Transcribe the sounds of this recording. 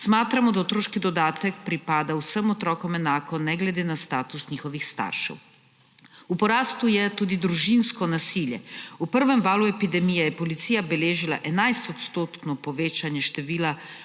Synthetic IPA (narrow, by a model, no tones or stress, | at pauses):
smaːt̪ɾamɔd̪aɔt̪ɾoːʃkid̪ɔd̪aːt̪ɛkpɾipaːd̪awsəmɔt̪ɾɔːkɔmɛnaːkɔnɛɡlɛd̪eːnast̪aːt̪usɲixɔʋixst̪a̰ːɾʃɛ̰w | upɔɾaːst̪ujɛt̪uːd̪id̪ɾuʒinskɔnasiljɛupəɾʋɛmvaːluɛpid̪ɛmijɛjɛpɔlit̪siːjabɛleːʒila̰ʔɛnajst̪ɔt̪st̪oːt̪nɔpɔʋeːt͡ʃanjɛʃt̪ɛʋiːla